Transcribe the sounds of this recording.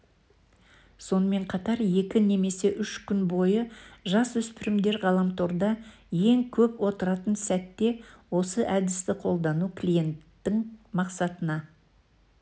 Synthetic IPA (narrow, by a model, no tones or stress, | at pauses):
so̞nəme̞ɴqʰɑt̪ɑɾje̞kʲɪne̞me̞se̞ʔʏʃkʲʏnbo̞jəʒɑswɵspɪɾɪmd̪e̞ɾʁɑlˠɑmt̪ʰo̞ɾd̪ɑ | je̞ŋkʲʰɵpwo̞t̪əɾɑt̪ənsæt̪ːe̞wo̞səʔæd̪ɪst̪ɪqʰo̞lˠd̪ɑnukʲʰlʲije̞nt̪ːɪŋmɑqsɑt̪ənɑ